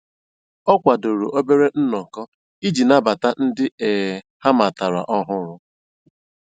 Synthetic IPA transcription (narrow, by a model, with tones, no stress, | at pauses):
ɔ˦kʷa˨do˨ɾṵ˨ʔo˦be˦ɾe˦n̩˦nɔ˨kɔ˦ | i˦d͡ʒi˨na˦ba˨ta˦n̩˦dɪ˦e˨ | ha˦ma˨ta˨ɾa̰˨ʔɔ˦ɦʊ˦ɾʊ˦